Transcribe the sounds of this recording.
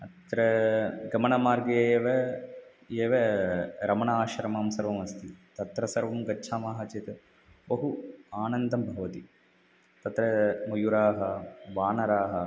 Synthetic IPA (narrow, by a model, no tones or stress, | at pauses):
ɐt̪ɾɐɡɐmɐnɐmaːɾɡeeːʋɐ | eːʋeɾɐmɐɳɐaːʃɐɾɐmaːmsɐɾʋɐmɐst̪it̪ɐt̪ɾɐsɐɾʋɐmɡɐtːʃʰaːmaːɦɐt͡ʃet̪ɐ | bɐɦuaːnɐnd̪ɐmbʱɐʋɐt̪i | t̪ɐt̪ɾɐmujuɾaːɦɐʋaːnɐɾaːɦɐ